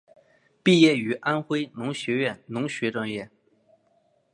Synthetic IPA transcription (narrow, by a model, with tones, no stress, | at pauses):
pi˥˧jɛ˥˩y˨˧˥ʔa˥nxwe˥ɪnʊ˧˥ŋɕɥɛ˧˥ɥɛ˥˩nnʊ˧˥ŋɕɥɛ˧˥ʈ͡ʂwa˥˧ŋjɛ˥˩